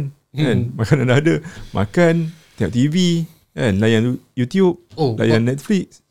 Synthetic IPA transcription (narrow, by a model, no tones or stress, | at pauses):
n | ɛ̃nmakanandadəmʔa̰kãnt̪ĩɔʔ̚t̪ivi | ɛ̃nlajãŋjut̪ijup̚la̰jãnnɛt̪̚flik̚s